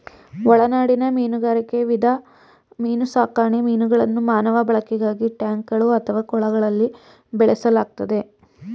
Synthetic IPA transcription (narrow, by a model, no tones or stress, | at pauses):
ɔɭɐnaːɽinɐmiːnuɡaːɾike̞ʋid̪ʱɐ | miːnusaːkaːɳemiːnuɡɐɭɐnːumaːnɐʋɐbɐɭɐkːiɡaːɡiʈjaːŋkɡɐɭuɐt̪ʰɐʋaːkɔɭɐɡɐɭɐlːi | bɛɭesɐlaːɡ̚t̪ɐd̪e̞